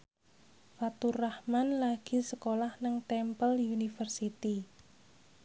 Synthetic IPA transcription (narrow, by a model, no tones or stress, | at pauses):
fat̪urahmanlaɡ̥i̤səkolahnəŋt̪ɛmpəliunifərsit̪i